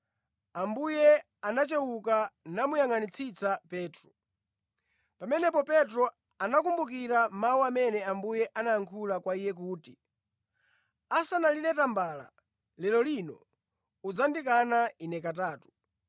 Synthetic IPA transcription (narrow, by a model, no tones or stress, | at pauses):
ambujɛ | anat͡ʃɛwukanamujaŋanit͡sʰit͡sapɛːtɾɔ | pamɛnɛpɔpɛtɾɔ | anak̬umbuk̬iɾamauamɛnɛambujɛʔanaːŋkʰulakwaijɛk̬uːti | asanalilɛtambala̰ | lɛlɔlinɔ̰ | ud͡zandikanainɛkataːtu̥